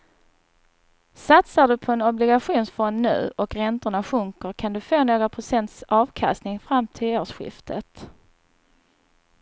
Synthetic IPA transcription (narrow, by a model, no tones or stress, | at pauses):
sat̪saɖɵpʰɔɛnɔblɪɡaɧuːnsfɔnːʉ̟̰ːʔɔkɾɛnt̪əɳaɧɵŋkəɾkʰand̪ɵfoːnoːɡɾapʰɾʊsɛnt̪sɑːvkʰa̰st̪nɪŋfɾamːt̪ʰɪloːʂɧɪ̰ft̪ʰət̪